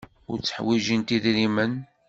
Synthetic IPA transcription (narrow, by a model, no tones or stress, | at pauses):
ʊ̰ɾt͡sːəħwiʒənt̪iðɾimən